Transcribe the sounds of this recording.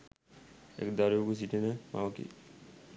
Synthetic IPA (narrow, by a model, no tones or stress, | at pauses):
ḛkd̪aɾjoɡus̬iʈenəma̰ʋəkḭ